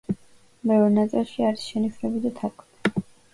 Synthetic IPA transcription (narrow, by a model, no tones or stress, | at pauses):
bɛvɾnat̪sʼilˠʃiaɾisʃɛniʃɾɛbid̪at̪ʰaɾkʰʼd̪i̥